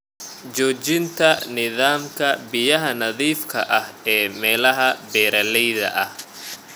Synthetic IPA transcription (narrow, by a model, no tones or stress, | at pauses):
t͡ʃɔːt͡ʃɪnt̪ʰɐnɪðaːmkʰɐbɪjɐɦɐnɐðiːfkʰɐʔɐhɛːmɛːlɐɦɐbɛːɾɐlɛjðɐ̰ʔɐh